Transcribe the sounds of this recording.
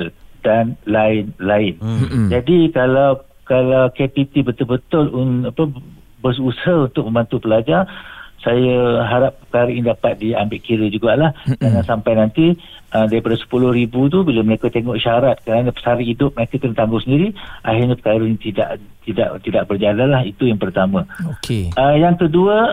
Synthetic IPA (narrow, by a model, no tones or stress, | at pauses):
danlaɪnlaɪnd͡ʒadikalaw | kalawkepit̪ibət̪ʊlbət̪ʊlunapə | bəsusɦahunt̪ʊk̚mə̃mbant̪upəlad͡ʒarsajəɦaɾap̚pəkaɾəindapat̪̚diambɪʔkiɾəd͡ʒuɡaʔlahdanansampajnant̪i | ədaɾipadasə̥pulʊhɾibut̪̬ubilaməɾekət̪eŋɔʔʃaɾat̪̚kəɾanə̃pə̥saɾəidʊp̚məɾekakənt̪aŋɡʊsəndiɾiʔa̰ɦɪrɲapəkaɾəɲit̪ida̰ʔ | t̪ida̰ʔt̪idaʔbərd͡ʒalanlahit̪ujaŋpərt̪amãokeəjaŋkəduə